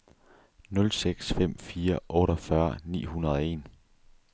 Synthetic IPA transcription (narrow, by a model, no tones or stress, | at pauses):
nɔ̽lseɡ̥sfem̰fiːɐʔɔ̽ːɾɒfɶɐnḭːhunɐð̞ˠɒe̝̰ːn